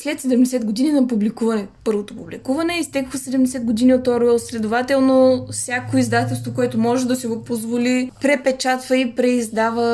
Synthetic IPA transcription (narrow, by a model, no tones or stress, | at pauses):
slɛt̪sɛd̪ɛmd̪ɛsɛd̪ɡod̪ininɐpublikuvɐnɛpɤɾvot̪opublikuvɐnɛist̪ɛkxəsɛd̪ɛmd̪ɛsɛd̪̚ɡod̪iniot̪ɔɾɛlˠslɛd̪ovat̪ɛlˠnofsʲjakoizd̪at̪ɛlˠst̪vokoɛt̪omɔʒɛd̪ɐsiɡopozvolipɾɛpɛt͡ʃat̪vəipɾɛizd̪avə